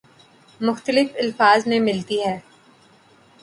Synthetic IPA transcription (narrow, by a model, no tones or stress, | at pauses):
mʊxt̪əlɪfɪlfaːzmẽmɪlt̪iɦɛː